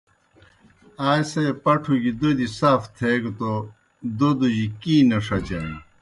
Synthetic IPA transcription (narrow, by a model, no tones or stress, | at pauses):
aːjsepɐʈʰuɡid̪od̪isaːft̪ʰeɡt̪o | d̪od̪uʑikiːnɐʂɐt͡ɕɐn